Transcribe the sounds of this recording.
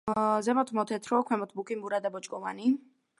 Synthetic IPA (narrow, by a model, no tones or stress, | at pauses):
zɛmɔt̪ʰmɔt̪ʰɛt̪ʰɾɔkʰwɛmɔt̪ʰbukʼimbuɾad̪abɔt͡ʃʼkʼɔva̰ni